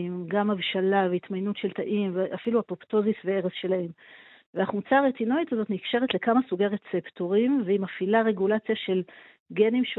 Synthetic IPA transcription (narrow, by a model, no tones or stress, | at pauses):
imɡamavʃalaveitmajnutʃe̞ltaʔimveʔafiluapopto̞zisveeʁesʃe̞lahem | veaχumt͡saːʁet͡sinoitazo̞tnikʃe̞ʁetle̞kamasuɡeʁet͡septoʁimveimafilaʁe̞ɡulat͡sjaʃe̞l | ɡe̞nimʃ